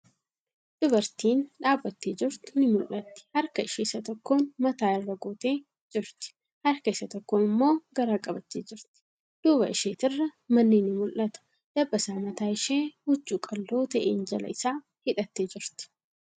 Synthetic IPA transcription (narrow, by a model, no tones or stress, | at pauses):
d̪̥ʊbɐɾt̪iːnᶑaːbːɐt̪ːeːd͡ʒɪɾt̪ʊnɪmʊlʔɐt̪ːɪ̥hɐɾkɐɪʃeːsɐt̪ɔkːoːnmɐt̪aːɪrːɐɡoːt̪e̞ː | d͡ʒɪɾt̪ɪ̥ | hɐɾkɐɪsɐt̪ɔkːoːnɪmːo̞ːɡɐɾaːkʼɐbɐt̪ːeːd͡ʒɪɾt̪ɪ̥ | d̪̥uːbɐ̰ɪʃeːt̪ɪrːɐmɐnːiːnɪmʊlʔɐt̪ʊ̥ | d̪̥ɐbːɐsaːmɐt̪aːɪʃeːhʊd͡ʒːuːkʼɐlːoːt̪ɐʔḛːnd͡ʒɐlɐ̰ɪsaː | hɪᶑɐt̪ːeːd͡ʒɪɾt̪ɪ̥